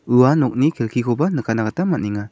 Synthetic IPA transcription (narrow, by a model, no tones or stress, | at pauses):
ɯwanɔk̚nikʰelkʰikʰɔbanɯkʰanaɡatamat̚niŋa